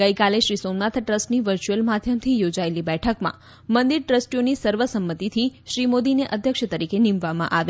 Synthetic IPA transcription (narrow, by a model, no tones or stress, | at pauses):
ɡəjkaleʃɾisomnat̪ʰʈɾəsʈniʋəɾt͡ʃuəlmad̪ʱjəmt̪ʰijod͡ʒaelibɛʈʰəkmã̰ | mənd̪iɾʈɾəsʈijonisəɾʋəsəmːət̪it̪ʰiʃɾimod̪ineʔəd̪ʱjəkʃət̪əɾikenĩmʋamã̰ʔaʋe